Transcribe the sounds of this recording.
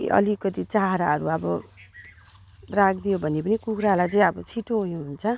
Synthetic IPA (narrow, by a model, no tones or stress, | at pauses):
ʔʌ̰likʌt̪it͡saɦaɾa̰ɦʌɾuʌbʌ | rak̚ʰd̪ijobʱʌnːepʌnikukʰɾalajt͡sʌĩʌbʌt͡sʰiʈoɦujuɦunt͡sʰʌ